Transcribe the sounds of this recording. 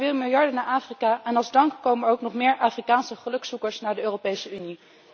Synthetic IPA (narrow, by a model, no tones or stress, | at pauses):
vɪːlˠmɪlˠjɑɹdənaːɹʔaːfrikaːʔɛnɑlˠzdɑŋkkowmənowknɔχmɪːɹʔaːfrikaːnsəχəlɵksukəɹsnaːɹdəøːropejsəyni